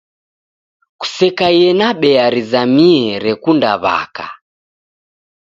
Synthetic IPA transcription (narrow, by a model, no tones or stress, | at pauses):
ku̥sɛkajɛnaɓɛaɾizamiɛɾɛkundaβa̰ka̰